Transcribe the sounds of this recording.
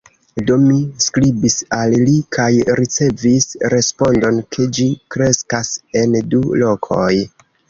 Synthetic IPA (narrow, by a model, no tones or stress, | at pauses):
do̞miskɾibisallikʰajɾʔit͡se̞visɾe̞spo̞ndo̞nkʰe̞d͡ʒikɾe̞skase̞ndulo̞kʰo̞j